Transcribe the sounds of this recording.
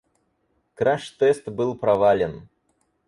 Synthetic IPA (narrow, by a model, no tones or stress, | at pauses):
kɾaʂt̪ɛst̪bɨlˠpɾɐvalʲɪn